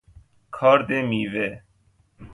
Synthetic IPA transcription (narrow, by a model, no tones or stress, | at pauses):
kʰaːɾd̪eːmiːʋeː